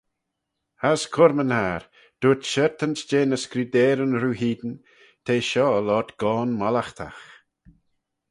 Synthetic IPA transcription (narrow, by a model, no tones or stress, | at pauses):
askʰʊɾmənhaːɾ | d̪̥uːt̪ʃɛɾt̪ənsd͡ʒeːnəskɾid̪eːɾənɾuːɦiːd̪ən | t̪ʰeːʃɔːlɔtɡ̥ɔːnmalaxt̪ʰa̰x